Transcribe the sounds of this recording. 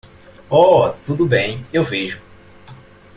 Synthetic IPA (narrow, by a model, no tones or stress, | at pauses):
ɔt̪ud̪ʊbẽj̃ewveʒʊ